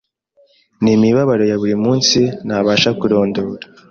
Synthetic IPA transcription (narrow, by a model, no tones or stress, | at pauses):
nimiβaβaɾo̞jaβuɾimuːnsinaβaːʃakuɾo̞ːndoːɾḁ